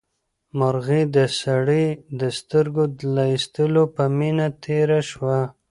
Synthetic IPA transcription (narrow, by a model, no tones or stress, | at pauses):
maɾɣid̪əsaɽid̪əst̪əɾɡod̪laist̪əlopəminat̪ʰeɾaʃwa